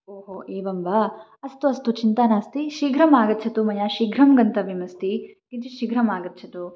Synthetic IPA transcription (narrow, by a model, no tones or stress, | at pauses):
oːɦoːeːʋɐmʋɐ | ɐst̪uɐst̪ut͡ʃint̪aːnaːst̪iʃiɡɾɐmaːɡɐt̪ːt͡ʃʰɐt̪umɐjaʃiɡɾɐmɡɐnt̪ɐʋimɐst̪ikit͡ʃiʃiɡɾɐmaːɡɐt̪ːt͡ʃʰɐt̪u